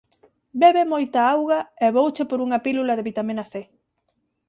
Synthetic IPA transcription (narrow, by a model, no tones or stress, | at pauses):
beβemojt̪ɐawɣɐɛβowt͡ʃepoɾuŋɐpilulɐðeβit̪aminɐθe